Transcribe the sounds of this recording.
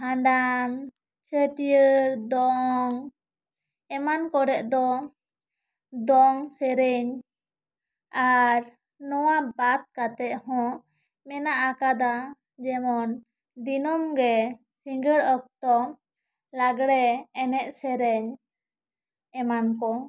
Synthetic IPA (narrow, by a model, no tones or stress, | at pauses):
ɦãɳɖam | t͡ʃəʈijəɾd̪ɔŋ | ɛmankɔɾɛʔd̪ɔ | d̪ɔŋsɛɾɛɲ | aɾ | nɔwabat̪̚kat̪ɛʔhɔ̃ | mɛnaʔakad̪a | d͡ʒɛmɔn | d̪inɔmɡɛ | siŋɡəɽɔk̚t̪ɔ | laɡɽɛːnɛʔ̚sɛɾɛɲ | ɛmankɔ